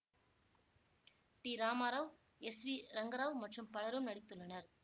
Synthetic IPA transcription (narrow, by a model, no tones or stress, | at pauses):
ʈiːɾaːmaːɾaːʋ | ɛsʋiːɾɐŋɡɐɾaːʋmɐʈrɯmpɐɭɐɾɯmnɐɽɪt̪ːɯɭːɐnɐɾ